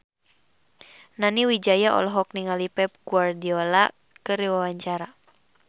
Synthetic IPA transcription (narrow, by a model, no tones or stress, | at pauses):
naniwid͡ʒajaʔɔ̰lɔɦɔk̚niŋalipɛp̚ɡuardiɔla̰ | kɨriwawaɲt͡ʃaɾa